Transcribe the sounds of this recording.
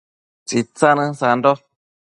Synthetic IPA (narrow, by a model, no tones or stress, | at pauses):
t͡sit͡sanəsan̩dɔ